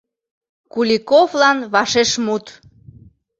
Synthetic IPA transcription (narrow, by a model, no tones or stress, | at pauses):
kulʲikovlɑnβɑʃeʃmut̪